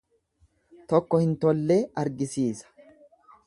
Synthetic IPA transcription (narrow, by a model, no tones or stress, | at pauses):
t̪ɔkːɔhɪnt̪ɔlːeːɐɾɡɪsiːsɐ̥